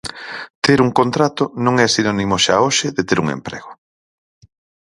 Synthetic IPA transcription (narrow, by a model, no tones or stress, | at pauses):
t̪eɾuŋkont̪ɾat̪ʊnõŋɛsinɔnimoʃaoʃɪðet̪eɾuŋḛmpɾɛ̰ɣʊ